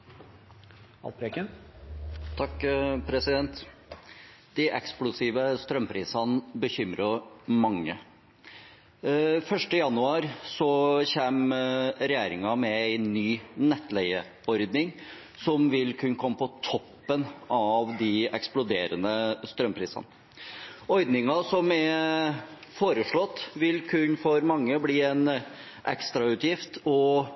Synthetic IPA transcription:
ɑ̰lpʰɾekən | t̪ʰɑkːpʰɾɛsɪd̪ɛnt̪ | d̪̥ɪʔɛksplʊsiːʋəst̪ɾœmpʰɾiːsənbəçʏmɾəɾmɑŋːə̰ | fœʂʈəjɑnʉɑːɾsɔçeːmɾɛjeːɾɪŋɑmɛæɪnːyːnɛt̪ːlɛɪə | ɔɾd̪nɪŋ | sɔmʋɪlkʰʉnkʰɔmːəpɔt̪ʰɔpːənɑʋd̪ɪɛksplʊd̪eːɾənəst̪ɾœmpʰɾiːsɑ̰nə | ɔɾd̪nɪŋɑsɔmɛ | foːɾəʂɭɔt̪ːʋɪlkʰʉnfɔɾmɑŋːəbliːɛn | ʔɛkst̪ɾɑʉːt̪jɪft̪ʰɔ

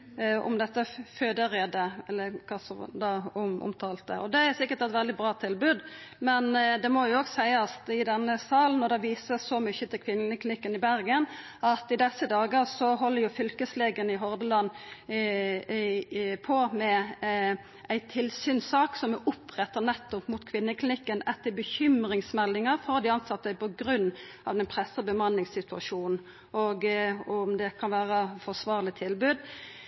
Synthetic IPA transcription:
ɔ̰md̪ɛt̪ːəføːd̪əɾeːd̪əɛlːəkʰɑsɔd̪ɑʊʊ̰mt̪ʰɑːlt̪ə̰ɔ̰d̪ɛæɾsɪkːəʈ̪ɛt̪ʋɛld̪ɪbɾɑːt̪ʰɪlbʉːd̪mɛnd̪ɛmɔjʊoːɡsæɪɑst̪ɪd̪ɛnːəsɑːln̩ːɔd̪ɛʋiːsəsɔmʏçːət̪ʰɪlkʰʋɪnːəlɪklɪnɪkːənɪbæɾɡən | ɑt̪ɪd̪ɛsːəd̪ɑːɡəɾsɔɦɔlːəɾjʊfʏlkəsleːɡənɪɦɔɾd̪əlɑnː | pʰɔmɛ | ʔæɪt̪ʰɪlsyːnsɑːksɔmʊpʁɛt̪ːənɛt̪ːɔpmʊt̪kʰʋɪnːəklɪnɪkːənɛt̪ːəbəçʏmɾɪŋsmɛlːɪŋəɾfɔʁd̪ɪɑnsɑt̪ːəpʰɔɡɾʉnː | ɑ̰ʋd̪ɛnpʰɾɛsəbəmɑnːɪŋsɪt̪ʉɑʂuːnn̩ | ɔɡɔmd̪ɛkʰɑnʋæːɾəfɔʂʋɑːʁlɪt̪ʰɪlbʉːd̪

